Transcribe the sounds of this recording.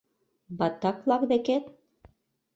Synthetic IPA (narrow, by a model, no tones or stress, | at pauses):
bɑt̪ɑklˠɑkd̪eket̪